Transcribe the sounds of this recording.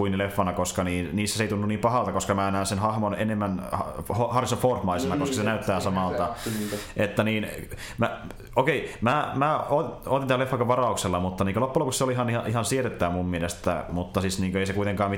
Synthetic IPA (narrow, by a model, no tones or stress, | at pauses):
uinːilefːɑnɑkoskɑniːnniːsːæseit̪unːuniːmpɑhɑlt̪ɑkoskɑmæːnæːnsenhɑhmonḛnemːænɑhohɑrsofoːrhmɑisenɑkoskɑsenæyt̪ːæːsɑmɑlt̪ɑ | et̪ːæniːn | mæ | okeimæːmæːoot̪int̪ælefːɑkoʋɑrɑˑukselːɑmut̪ːɑniːŋkoølopːulopukseoliihɑnhɑʔihɑnsieret̪ːæːmummielest̪ːæ̰mut̪ːɑsisniːŋkøeisekuit̪eŋkɑːmi